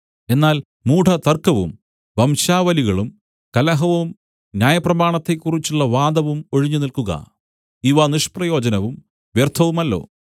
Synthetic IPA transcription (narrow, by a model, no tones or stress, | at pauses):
e̞nːaːl | muːʈʰɐt̪ɐrkɐʋṵm | ʋɐmɕaːʋɐliɣɐɭum | kɐlɐɦɐʋum | njaːjɐprɐmaːɳɐt̪ːe̞kːurit͡ɕːuɭːɐʋaːd̪ɐʋumo̞ɻiɲːunilkuɣɐ̰ | iʋaniʂprɐjo̞ːd͡ʑɐnɐʋum | ʋjert̪ʰːɐʋumɐlːo̞̰ː